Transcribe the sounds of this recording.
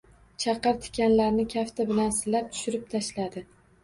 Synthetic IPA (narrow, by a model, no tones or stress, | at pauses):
t͡ʃʰɑqɨɾt̪ʰɪ̥kʲanlaɾnɪkʲʰaft̪ʰabɪlansɪlap̚t̪ʰʊ̥ʃɪɾɪp̚t̪ʰaʃlad̪ɪ